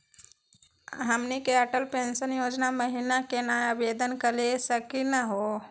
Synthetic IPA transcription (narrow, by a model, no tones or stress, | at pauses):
ɦəmnikeəʈəlpẽnsənjoːd͡ʒnaməɦinakenajabed̪ənkəlesəkinəɦo